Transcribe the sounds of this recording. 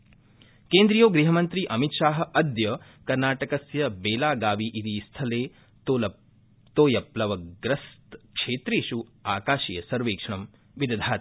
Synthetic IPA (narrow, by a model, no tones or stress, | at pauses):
keːnd̪ɾijoːɡɾiɦɐmɐnt̪ɾiʔɐmit̪ʃaːɦɐ̆ʔɐd̪jɐ | kɐɾnaːʈɐkɐsjɐbeːlaːɡaːʋiʔid̪iːst̪ʰɐleː | o | t̪oːjɐplɐʋɐɡɾɐst̪kʂeːt̪ɾiːʃuaːkaːʃiːjɐsɐɾʋeːkʂɐɳ̃ɐm | ʋid̪ɐd̪ʱaːt̪